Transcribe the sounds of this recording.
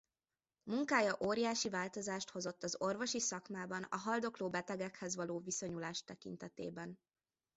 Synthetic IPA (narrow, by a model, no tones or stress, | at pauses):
muŋkaːjɒʔoːɾijaːʃivaːlt̪o̞zaːʃt̪ho̞zo̞t̪ːɒzo̞rvo̞ʃisɒkmaːbɒnɒ̰ɦɒld̪o̞kloːbɛt̪ɛɡɛkhɛzvɒloːviso̞ɲulaːʃt̪ɛkḭnt̪ɛt̪ḛːbɛn